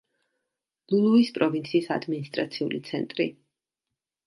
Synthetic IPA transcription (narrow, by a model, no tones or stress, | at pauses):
lulˠuispʼɾɔvint̪sʰiːsa̰d̪minist̪ʼɾat̪sʰiulḭt̪sʰɛnt̪ʼɾi